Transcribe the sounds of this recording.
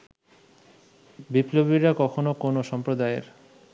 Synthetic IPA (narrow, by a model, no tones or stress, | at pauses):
biplobiɾakɔkʰonokonoʃɔmpɾod̪aeɾ